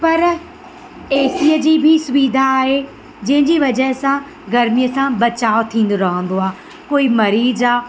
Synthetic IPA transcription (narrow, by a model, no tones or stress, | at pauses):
pɐɾ | eːsijəd͡ʑiːbʱɪsʊʋiːd̪ʱaːɦe | d͡ʑɐ̃ɦɪ̃ɲd͡ʑiʋɐd͡ʑəɦɪsã | ɡɐɾmijəsãbɐt͡ɕaːot̪ʰĩːn̆d̪oɾɐɦə̃n̆d̪oaː | koːimɐɾiːzaː